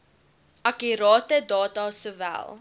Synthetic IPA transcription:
ʔɐkiɾɑːtədɑːtɑsuvæ̰lˠ

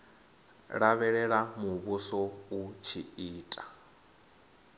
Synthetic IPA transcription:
ɺaβɛɺɛɺamuβusɔut͡ʃʰiiːtʼa

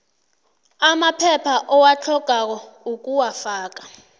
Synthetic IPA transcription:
amapʰɛpʰaʔɔwat͡ɬʰɔɡ̥ʱak̬ɔuk̬ʼuwafaːk̬ḁ

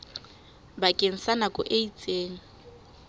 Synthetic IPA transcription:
bakʼeŋ̩sanakʼʊʔeit͡sʼeːŋ̩

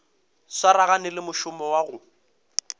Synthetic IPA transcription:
swaɾaɣanɪlɪmʊʃʊmɔwaɣʊ

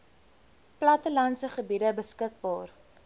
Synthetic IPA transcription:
plɐtəlɐnsəχəbidəbəskək̚bɑːr

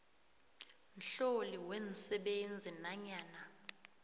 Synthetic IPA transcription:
nɬoliwensɛɓend͡zʱinaɲaːna

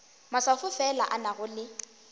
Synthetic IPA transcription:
masafʊfɛlaʔanaɣʊlɪ

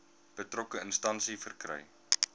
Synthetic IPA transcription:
b̥ətrokəənstɐnsifərkrɛ̰j

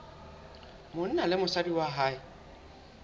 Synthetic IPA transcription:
mʊn̩nalɪmʊsadiwaɦaɪ

